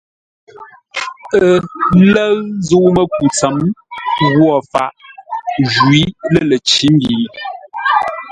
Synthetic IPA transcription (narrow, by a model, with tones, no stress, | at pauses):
ə˨lə˦ɰzu˦ʔmə˦ku˨t͡sə˨˦m | ɣwɔ˨fa̰˨ʔ | ʒwi˨˦lə˦˨lə˨t͡ʃi˦m˦bi˨